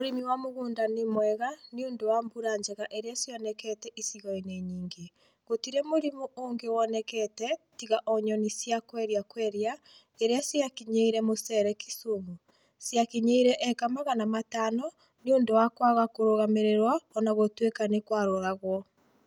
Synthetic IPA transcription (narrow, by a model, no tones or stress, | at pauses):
moɾimiwamoɣuːndanimwɛɣaniondowaːmbuɾaɲd͡ʒɛɣaʔeɾeasjɔnɛkɛtɛʔisiɣɔineɲiːŋɡe | ɣotiɾɛmoɾimuʔoːŋɡewɔnɛkɛtɛtiɣaʔɔɲɔnisjakwɛɾiakwɛɾia | eɾeasjakiɲeiɾɛmosɛɾɛkisumu | sjakiɲeiɾɛʔɛkamaɣanamataːnɔ | nioːndowakwaɣakoɾoɣameɾeɾwaɔnaɣotwekanekwaɾoɾaɣwɔ